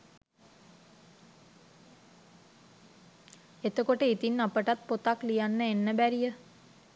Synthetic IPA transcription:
et̪əkoʈəit̪inːapəʈat̪̚pot̪aklijanːəenːəbæɾijə

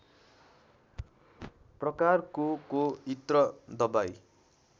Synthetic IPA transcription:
prʌkarkokoit̪rʌd̪ʌbaj

